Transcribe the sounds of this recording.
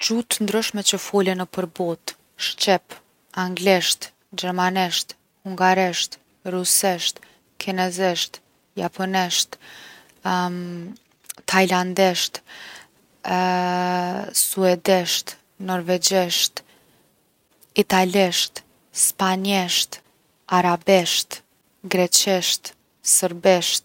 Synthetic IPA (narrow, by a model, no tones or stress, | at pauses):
t͡ʃut̪ənd̪ɾʏʃmɛt͡ɕəfɔlɛnəpəɾbɔt̪ | ʃt͡ʃɛp | aŋɡlɛʃt̪ | d͡ʑɛɾmanɛʃt̪ | huŋɡaɾɛʃt̪ | rusɛʃt̪ | kʰinɛzɛʃt̪ | japʰɔnɛʃt̪ | t̪ʰajland̪ɛʃt̪ | suɛd̪iʃt̪ | nɔɾvɛd͡ʒiʃt̪ | it̪aliʃt̪ | spaɲiʃt̪ | aɾabiʃt̪ | ɡɾɛt͡ʃiʃt̪ | səɾbiʃt̪